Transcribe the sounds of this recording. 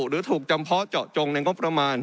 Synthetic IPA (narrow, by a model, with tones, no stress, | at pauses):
ɾɯː˨˦t̪ʰuː˨˩k̚t͡ɕa˧mpʰɔ˦˥t͡ɕɔː˨˩t͡ɕo˧ŋna˧jŋo˦˥pɾa˧maː˧n